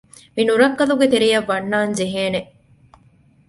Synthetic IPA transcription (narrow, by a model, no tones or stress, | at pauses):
minuɾɐkːɐluɡet̪eɾijɐʋːɐnːaːnd͡ʒeɦeːneʔ